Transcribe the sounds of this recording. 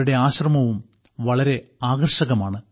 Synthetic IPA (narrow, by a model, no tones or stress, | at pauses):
uɽe̞aːɕrɐmɐʋum | ʋɐɭɐɾe̞aːɣɐrʂɐɣɐmaːɳɨ